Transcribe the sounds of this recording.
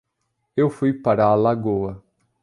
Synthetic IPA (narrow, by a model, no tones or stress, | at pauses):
ewfujpaɾaːlaɡowɐ